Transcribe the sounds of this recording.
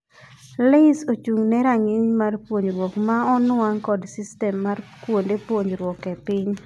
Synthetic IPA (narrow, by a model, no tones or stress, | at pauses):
lesot͡ʃuŋnɛɾaŋɪɲmarpwoɲɾwɔkmaɔnaŋkɔdsistɛmːarkwondepwoɲɾwɔkɛpɪɲ